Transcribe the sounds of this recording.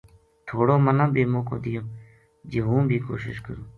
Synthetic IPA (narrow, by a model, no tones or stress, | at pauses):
t̪ʰoːɽoːmənãːbiːmõːko̰ːd̪ijõː | d͡ʒeːɦũːbʱiːko̰ːʃɪ̰ʃkəɾũː